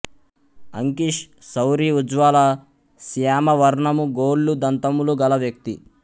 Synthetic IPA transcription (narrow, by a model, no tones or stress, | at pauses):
ɐŋkiʂ | sɐwɾiud͡ʒʋaːlɐ | sijaːmɐʋɐɾɳɐmuɡoːlːud̪ɐnt̪ɐmuluɡɐlɐʋjɐk̚t̪i